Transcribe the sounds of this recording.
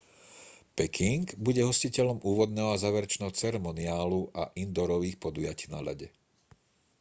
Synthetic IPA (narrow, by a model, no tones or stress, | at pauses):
pɛkʰiŋɡbuɟɛɦɔscicɛʎɔmuːʋɔd̪̚nɛːɦɔazaːʋɛɾɛt͡ʃnɛːɦɔt͡sɛɾɛmɔnɪaːluʔaʔind̪ɔɾɔʋiːxpɔd̪ujaciːna̰ʎa̰ɟɛ